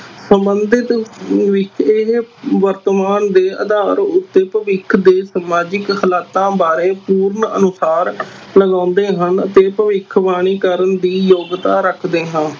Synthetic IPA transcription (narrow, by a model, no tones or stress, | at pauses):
səmbənd̪ɪt̪ʋɪt͡ʃɪɦʋəɾt̪əmaːnd̪eːə̰d̪aːɾʊt̪ːeːpəʋɪkʰd̪eːsəmaːd͡ʒɪkhəlaːt̪ãːbaːɾẽːpuːɾnə̰nʊsaːɾləɡãːʊnd̪eːɦənət̪eːpəʋɪkʰʋaːɽ̃iːkəɾənd̪iːjoːɡt̪aːɾəkʰd̪eːɦãː